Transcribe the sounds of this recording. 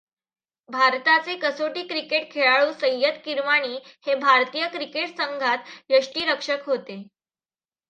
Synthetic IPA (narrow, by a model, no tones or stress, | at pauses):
bʱaɾt̪at͡sekəsoʈiːkɾikeʈkʰeɭaɭuːsəjət̪kiɾʋaɽ̃iːhebʱaɾt̪ijəkɾikeʈsəŋɡʱat̪jəʂʈiːɾəkʂəkɦot̪e